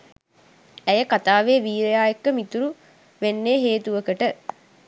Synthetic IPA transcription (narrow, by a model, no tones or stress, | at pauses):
æjəkat̪aːʋeːʋiːɾejaːjekːəmit̪uɾu | ʋenːeːɦeːt̪uʋəkəʈə